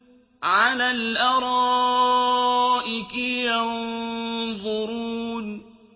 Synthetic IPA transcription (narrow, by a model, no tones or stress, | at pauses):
ʕalaːlʔɑɾˤɑ | ʔɪkɪjɑn | ðˤʊɾuːn